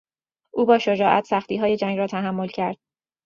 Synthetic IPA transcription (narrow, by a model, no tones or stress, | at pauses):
ʔuːbɒːʃod͡ʒɒːʔæ̰t̪ʰsæxt̪iːɦɒːje̞d͡ʒæŋɾɒːt̪ʰæɦæmːo̞lcʰæɾd̪̥